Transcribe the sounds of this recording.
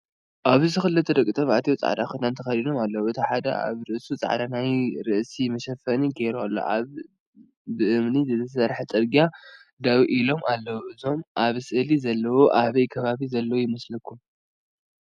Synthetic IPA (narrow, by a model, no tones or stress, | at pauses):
ʔaβziɨxɨlːɨt̪ʰːɐd̪ɐkʼːit̪ʼɐβʔat̪ʰijot͡sʼa̰ʕd̪a̰xɨnːant̪ʰɐxɐd̪ino̞malːɐwuɨt̪ʰiħad̪ɐ̰ʔa̰βɾɨʔsut͡sʼa̰ʕd̪anajɾɨʔsimɐʃɐfɐniɡeɾualːo̰ʔa̰β | bɨʔɨmnizɨt̪ʰɐs̬ɐɾħɐt̪ʼɨɾɡia | d̪awiʔilo̞mʔalːɐwuʔɨzo̞mʔaβsɨʔɨlizɐlːɐwoʔaβɐjkʰɐβaβizɐlːɐwojɪmɐslɐkʰːum